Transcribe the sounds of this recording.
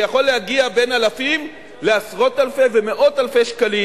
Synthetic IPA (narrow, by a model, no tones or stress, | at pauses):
jaχo̞lːehaɡiabe̞nalafim | le̞asʁo̞talfe̞ve̞me̞ʔo̞talfe̞ʃkali